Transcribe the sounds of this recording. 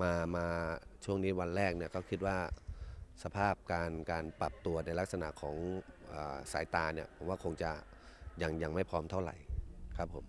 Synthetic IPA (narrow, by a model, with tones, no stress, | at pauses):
maː˧maː˧t͡ɕʰu˥˩əŋniː˦˥wa˧nɾɛː˥˩k̚ni˥˩ɐkʰa˦˥˩wkʰi˦˥t̪̚waː˥˩ | sa˧pʰaː˥˩p̚kaː˧nkaː˧npla˨˩p̚t̪u˧ɐna˧jla˦˥k̚sa˧na̰˨˩ʔkʰɔː˩˦ŋʔəː˨˩saː˩˦jt̪aː˧ni˥˩ɐpʰo˩˦waː˥˩kʰo˧ŋt͡ɕa˨˩ | ja˧ŋja˧ŋma˥˩jpʰɔː˦˥mt̪ʰa˥˩wɾa̰˨˩˦jkʰa˦˥pʰːo˩˦m